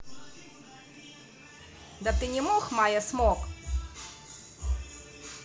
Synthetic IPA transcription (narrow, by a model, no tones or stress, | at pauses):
d̪ɐt̪ɨnʲɪmoxmajɐsmok